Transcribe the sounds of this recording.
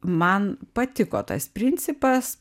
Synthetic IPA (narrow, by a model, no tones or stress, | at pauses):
mɐnpɐt̪ʲɪkoːt̪ɐ̰spʲɾʲɪnʲtsʲɪpɐs